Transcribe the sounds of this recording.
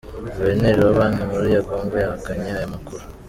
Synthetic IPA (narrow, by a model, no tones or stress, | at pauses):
βeneɾewaβaːnumuɾijaɡoːmɡejaakaɲajamakuɾu